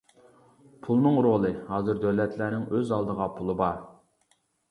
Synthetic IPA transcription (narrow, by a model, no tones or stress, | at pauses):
pʰulˠnɨŋɾolˠɨhɑːzɨɾd̪øwlɛt̪ʰlænɪŋøzɑlˠd̪əʁɑpʰulˠɨbɑɾ